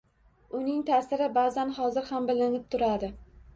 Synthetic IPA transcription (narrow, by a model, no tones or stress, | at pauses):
ʊnɪŋt̪ʰasɪɾɪbaːzanhɒzɪɾhambɪlɪŋɪp̚t̪ʰʊɾad̪ɪ